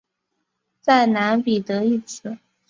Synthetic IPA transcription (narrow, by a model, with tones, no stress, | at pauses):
t͡sa˥˩ɪna˧˥npi˨˩t̪ɤ˧˥i˥˩t͡sʰɹ̩˨˩˦